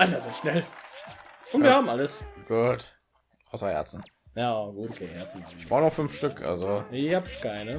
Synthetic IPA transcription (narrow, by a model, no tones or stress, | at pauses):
ʔalzazeːɐʃnɛl | ʔʊntvviɐhaːbmʔaləsɡ̥uːt | ʔaʊsɐhɛ̰ɐt͡sn̩ | jaːɡuːtokʰeːhɛɐsn̩çb̥aʊnɔχfʏnfʃtʏkʔa̰lzoapɪkaɪnə